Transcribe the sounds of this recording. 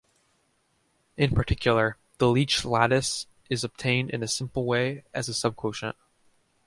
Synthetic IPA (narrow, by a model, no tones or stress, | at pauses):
ɨ̃npʰə˞tʰɪkʰjl̩ˠə˞ | ðəlit͡ʃlæɾɨs | ʔɨzəb̥̚tʰẽɪ̃ndɨ̰̃nɨsɪ̃mpl̩ˠweɪɨzɨsʌb̚kʰw̥oʊʃə̰̃n